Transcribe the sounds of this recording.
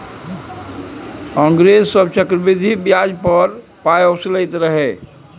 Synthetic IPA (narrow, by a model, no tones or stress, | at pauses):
kə̃ŋɡɾessəbt͡ʃəkɾəbid̪ʱibjad͡ʒpəɾ | pajosləjt̪ɾəɦɛ